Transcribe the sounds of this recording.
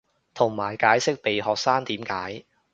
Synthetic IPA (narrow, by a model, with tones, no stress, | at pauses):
t̪ʰʊ˨˩ŋmaː˨˩jkaː˨˥jsɪ˥k̚pe˨jɦɔː˨k̚saː˥ŋt̪iː˨˥mkaː˨˥j